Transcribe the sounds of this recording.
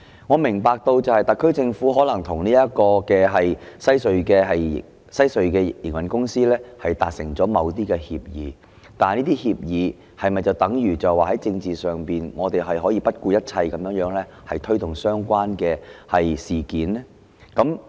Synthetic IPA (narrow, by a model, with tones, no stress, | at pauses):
ŋɔː˨˧mɪ˨˩ŋpaː˧k̚t̪o˧wt͡sɐ˨whɐ˨˩jt̪ɐ˨˩kʰːɵ˥ɥt͡sɪ˧ŋfuː˨˥ɦɔː˨˥lɐ˨˩ŋt̪ʰʊ˨˩ŋniː˥ɐ˥t̚kɔː˧kɛː˧ɦɐ˨jsɐ˥jsɵ˨˧ɥkɛː˧ɦɐ˨j | sɐ˥jsɵ˨˧ɥkɛː˧jḭ˨˩ŋwɐ˨nkʊ˥ŋsiː˥lɛː˥hɐ˨jt̪aː˨k̚sɪ˨˩ŋt͡sɔː˨˥mɐ˨˧wt̪iː˥kɛː˧hiː˧p̚jḭː˨˦ | t̪aː˨niː˥t̪iː˥hiː˧p̚jiː˨˧ | hɐ˨jmɐ˨jt͡sɐ˨wt̪ɐ˨˥ŋjyː˨˩t͡sɐ˨waː˨˩ɦɐ˨˥jt͡sɪ˧ŋt͡siː˨˩sœː˨˩ŋpiː˨nŋɔː˨˧t̪e˨jɦɐ˨jɦɔː˨˥jiː˧pɐ˥t̚kuː˧jɐ˥t̚t͡sʰɐ˧jkɐ˨˦mjœː˨˥ŋjœː˨˥ŋlɛː˥ | hɐ˨jt̪ʰɵ˥ɥt̪ʊ˨˩ŋsœː˥ŋkʷwaː˥nkɛː˧hɐ˨jsiː˨˩kiː˨˥nɛ˥ | kɐ˨˥m